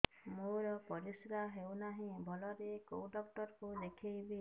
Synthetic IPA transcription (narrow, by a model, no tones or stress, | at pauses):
moɾɔpɔɾisɾaɦewnaɦĩbʱɔlɔɾekowɖɔk̚ʈɔɾkulekʰejbi